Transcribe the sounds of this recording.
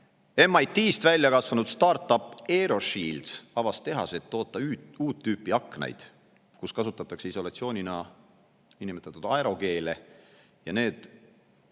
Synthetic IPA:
e̞mːɑjt̪iːst̪vælʲːjɑkɑsvɑnud̪st̪ɑːrt̪ːˑɑpːˑe̞ɾo̞ʃiːld̪sɑvɑst̪e̞ɦɑ̰set̪ːo̞ːt̪ːˑɑyuːt̪ːyːpːˑiɑkːˑnḛjd̪̥ | kuskɑsut̪ːˑɑt̪ːˑɑkseiso̞lɑt̪sio̞ːnʲinɑ | inimet̪ːɑt̪ːud̪ɑeɾo̞ke̞ːle | jɑne̞ːd̪̥

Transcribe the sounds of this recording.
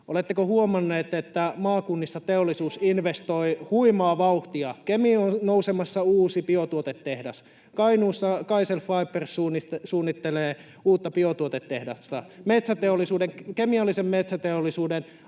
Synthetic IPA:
ʔolet̪ːekohuomɑnːeːt̪et̪ːæmɑːkunːist̪ɑt̪eolːisuːsinʋest̪oihuimɑːʋɑuht̪iɑkemionnousemɑsːɑuːsipiot̪uot̪et̪ːehdɑs | kɑinuːsːɑkɑiselfɑipːersuːnːisuːnːit̪ːeleː | uːt̪ːɑpiot̪uot̪et̪ːehdɑ̰st̪ɑ̰met̪sæt̪eolːˑisuːdeŋkemiɑlːisemmet̪sæt̪eolːˑisuːden

